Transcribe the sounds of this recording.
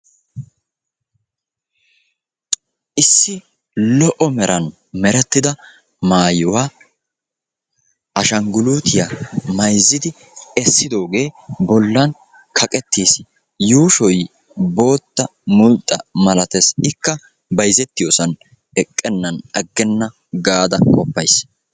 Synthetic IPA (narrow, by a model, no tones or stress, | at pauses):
ʔɪsːɪ | lɔʔɔmɛɾʔɐn | mɛɾɛt̪ːɪd̪ɐ | maːjɪwaː | ɐʃɐŋɡʊluːt̪ɪjamɐjzːɪd̪ɪ | ɛsːɪd̪o̞ːɡe̞ːbɔlːɐn | kʰɐkʼɛt̪ːiːs | juːʃɔj | bo̞ːt̪ːɐmʊlt̪ʼːɐmɐlɐt̪ɛsɪkːɐ | bɐjzɛt̪ːɪjoːsɐn | ɛkʼːɛnːɐnɐɡːɛnːɐ | ɡaːd̪ɐkʼɔpːɐjs